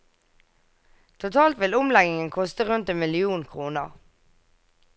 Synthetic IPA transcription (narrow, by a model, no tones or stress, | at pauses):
t̪ʰʊt̪ʰɑːlt̪ʋɪlʊmlɛɡɪŋənkʰɔst̪əʁʉnt̪eːnmɪlɪuːnkʰʁuːnə̰ʁ